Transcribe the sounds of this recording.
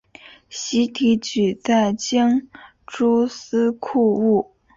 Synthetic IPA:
ɕi˧˥t̪ʰi˧˥t͡ɕy˨˩t͡sa˥˩ɪt͡ɕi˥ŋ | ʈ͡ʂu˥s̩˥kʰu˥˧u˥˩

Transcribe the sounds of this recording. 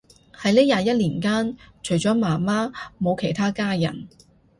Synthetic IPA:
hɐ˨˥jliː˥jaː˨˧jɐ˥t̚liː˨˩nkaː˥nt͡ʃʰɵ˨˩jt͡ʃɔː˨˥maː˨˩maː˥mo˨˧wkʰe˨˩jt̪ʰaː˥kaː˥jɐ̰˨˩n

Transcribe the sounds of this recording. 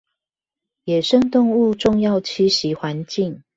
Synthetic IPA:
jɛ˨˩ʂə˥˧ŋt̪ʊ˥˧ŋu˥˧ʈ͡ʂʊ˥˧ŋjɑ˥˨ʊt͡ɕʰi˥ɕi˨˦xwa˧˦nt͡ɕi˥˨ŋ

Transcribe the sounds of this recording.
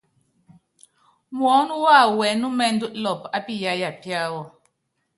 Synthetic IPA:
mwɔ˨˦nu˦wa˦˨wɛ˨˦nu˦mɛ˦˨n̩˦du˦ʔlɔ˨pa˦pi˦˨ja˨˦ja˨pja˦wɔ˨

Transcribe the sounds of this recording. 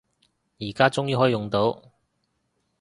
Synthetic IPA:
jiː˨˩kaː˥t͡sʊ˥ŋji˨˥hɔː˨˥i˧jʊ˨ŋt̪o˨˥w

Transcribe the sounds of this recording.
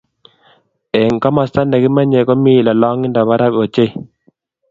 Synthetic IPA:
ɛ˨ŋka˦ma˨sta˦nda˨ki˦ma˦ɲɛ˨kɔ˦mi˦˨la˨lɔ˦ŋɪ˦nda˨βa˦ɾa˦bo˨t͡ʃe˦

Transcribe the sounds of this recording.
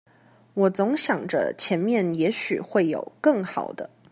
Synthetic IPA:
wɔ˨˩t͡sʊ˧˥ŋɕjɑ˨˩ŋʈ͡ʂə̰˦t͡ɕʰjɛ˧˥nmjɛ˥˩njɛ˧˥ɕy̰˨˩xwe˥˩ɪjo̰˨˩ʊkɤ˥˩ŋxɑ̰˨˩ʊd̪ə˦

